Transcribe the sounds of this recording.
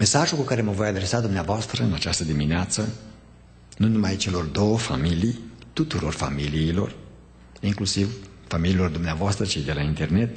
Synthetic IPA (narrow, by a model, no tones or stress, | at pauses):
me̞saʒulkukaɾe̞məvo̞jad̪ɾe̞sad̪umneavoast̪ɾəɨnat͡ʃast̪əd̪imineat̪sə | nunumajt͡ʃe̞lo̞rd̪o̞wəfa̰milijt̪ut̪uɾo̞rfa̰miliːlo̞̰r | iŋklusiv | famililo̞rd̪umneavoast̪ɾət͡ʃid̪e̞laint̪e̞rne̞t̪